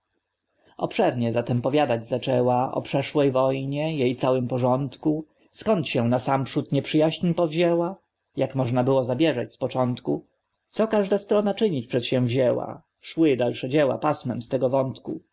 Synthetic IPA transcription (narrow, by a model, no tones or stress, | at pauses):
ɔ̰pʂɛɾɲɛzat̪ɛmpɔvʲjad̪ad͡ʑzat͡ʂɛwaʔɔ̰pʂɛʂwɛjvɔjɲɛjejt̪sawɘmpɔʐɔnt̪ku | skɔnt̪ɕɛ̃nasampʂut̪ɲɛpʂɘjaɕɲiɲpɔvʑɛwa | jakmɔʐnabɘwɔzabʲjɛʐat͡ɕspɔt͡ʂɔnt̪ku | t̪sɔkaʐd̪ast̪ɾɔnat͡ʂɘɲit͡ɕpʂɛt̪ɕɛ̃w̃vʑɛwa̰ | ʂwɘd̪alʂɛd͡ʑɛwa̰pasmɛmst̪ɛɡɔvɔnt̪kṵ